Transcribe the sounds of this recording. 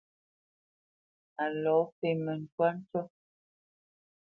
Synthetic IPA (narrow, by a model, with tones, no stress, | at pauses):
a˨lɔ˨˦fe˨mə˨n˨twa˦n̩˦tɔ˦